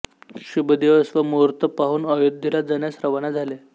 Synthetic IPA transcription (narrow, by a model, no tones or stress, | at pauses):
ɕubəd̪iʋəsʋəmuɾt̪əpaɦuːnəjod̪ʱjəlad͡zənjasɾəʋanad͡zʱale